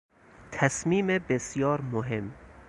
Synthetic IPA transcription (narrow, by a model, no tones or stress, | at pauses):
t̪ʰæsmiːmebesjɒːɾmoɦem